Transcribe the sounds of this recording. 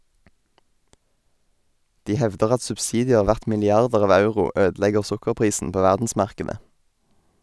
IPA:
ˈdiː ˈhɛʋdəʁ ˈɑt sʉbsɪdɪˈeːʁ ˈʋæʁt mɪlɪˈɑʁdəʁ ˈɑːʋ ˈɑʉʁʊ ˈøːdl̩ˌɛɡəʁ ˈsʊkəʁˌpʁiːsn̩ ˈpoː ˈʋæʁdn̩smɑʁˌkeːdə

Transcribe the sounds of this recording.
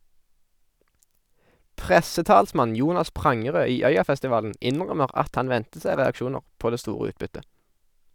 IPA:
ˈpʁɛsəˌtɑːlsmɑn ˈjuːnɑs ˈpʁɑŋəˌʁøː ˈiː ˈœʏɑfɛstɪˌʋɑːln̩ ˈɪnʁœməʁ ˈɑt ˈɑn ˈʋɛntə ˈsæɪ ʁɛɑkˈʃuːnəʁ ˈpoː ˈdeː ˈstuːʁə ˈʉːtbʏtə

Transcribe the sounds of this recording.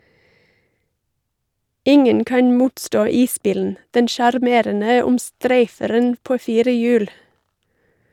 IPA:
ˈɪŋən ˈkɑn ˈmuːtˌstoː ˈiːˌsbiːln̩ ˈdɛn ʃɑɾˈmeːɾənə ʊmˈstɾæɪfəɾən ˈpoː ˈfiːɾə ˈjʉːl

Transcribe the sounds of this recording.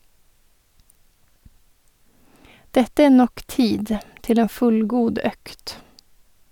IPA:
ˈdɛtə ˈeː ˈnɔk ˈtiːd ˈtɪl ˈeːn ˈfʉlˌɡuːd ˈœkt

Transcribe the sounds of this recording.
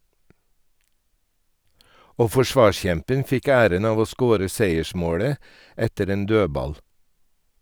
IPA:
ˈoː ˌfɔˈʃʋɑːˌʃçɛmpən ˈfɪk ˈæːɾən ˈɑːʋ ˈoː ˈskoːɾə ˈseɪəˌʃmoːɽə ˈɛtəɾ ˈeːn ˈdøːbɑl

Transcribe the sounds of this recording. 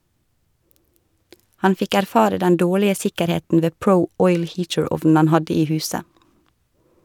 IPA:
ˈhɑn ˈfɪk æɾˈfɑːɾə ˈdɛn ˈdoːɭɪə ˈsɪkəɾˌheːtn̩ ˈʋeː ˈpɾəʊ ˈɔʏl ˈhiːtəˌɹɔʋn̩ ˈhɑn ˈhɑdɪ ˈiː ˈhʉːsə

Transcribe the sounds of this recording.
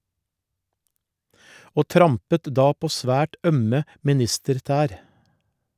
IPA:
ˈoː ˈtɾɑmpət ˈdɑː ˈpoː ˈsʋæːʈ ˈœmə mɪˈnɪstəɾˌtæːɾ

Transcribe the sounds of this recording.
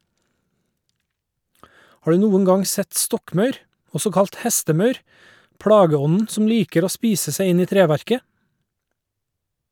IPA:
ˈhɑː ˈɖʉː ˈnuːəŋ ˈɡɑŋ ˈsɛt ˈstɔkˌmɑʉɾ ˈɔsɔ ˈkɑlt ˈhæstəˌmɑʉɾ ˈpɽɑːɡəˌɔnn̩ ˈsɔm ˈliːkəɾ ˈoː ˈspiːsə ˈsæɪ ˈɪn ˈiː ˈtɾeːˌʋæɾkə

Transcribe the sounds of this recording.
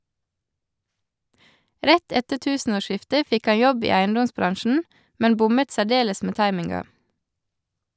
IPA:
ˈɾɛt ˈɛtə ˈtʉːsn̩oːˌʃɪftə ˈfɪk ˈɑ ˈjɔb ˈiː ˈæɪnˌdɔmsˌbɾɑnʃn̩ ˈmɛn ˈbʊmət sæˈɖeːləs ˈmeː ˈtɑɪmɪŋɡɑ

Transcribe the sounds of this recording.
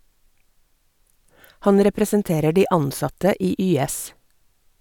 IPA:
ˈhɑn ɾɛpɾɛsənˈteːɾə ˈɖiː ˈɑnˌsɑtə ˈiː ˈyːˌɛs

